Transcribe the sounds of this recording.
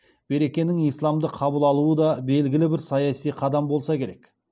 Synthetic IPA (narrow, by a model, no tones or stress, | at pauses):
b̥e̞ɾe̞kʲe̞nɪŋijslˠɑmd̪əqʰɑbəlˠɑlˠuəd̪ɑbe̞lɡʲɪlɪbɪɾsɑjɑsijqʰɑd̪ɑmbo̞lˠsɑkʲʰe̞ɾe̞k